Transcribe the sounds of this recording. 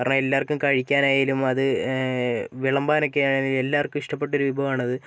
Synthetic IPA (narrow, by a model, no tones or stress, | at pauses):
kaːɾɐɳɐe̞lːaːrkːumkɐɻikʲːaːnaːjiːlumɐðɨ | ʋiɭɐmbaːno̞k̬ːe̞jaːɳenile̞lːaːrkːumiʂʈɐp̬ːe̞ʈːo̞ɾuʋibʱɐʋmaːɳɐðɨ